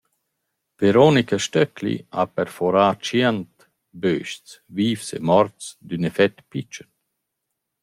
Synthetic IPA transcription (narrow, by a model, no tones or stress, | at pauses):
v̥eɾonikaʃtœkʰlḭa̰pɛɾfɔɾaːt͡ʃiɛnt̪ | bøːʃt͡sviːfsḛmɔɾt͡sd̪ynɛfɛt̪pit͡ʃən